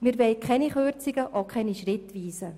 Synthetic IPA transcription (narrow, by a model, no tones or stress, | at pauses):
miːɾʋɛɪkʰɛniχøɾt͡sɪɡəʔokʰɛniʃrɪt̪ʋiːsə